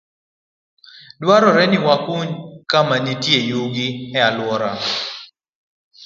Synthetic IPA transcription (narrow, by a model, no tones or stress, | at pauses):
dwaɾɔɾɛnɪwakuɲkamanitjejuɡɪɛalwɔɾa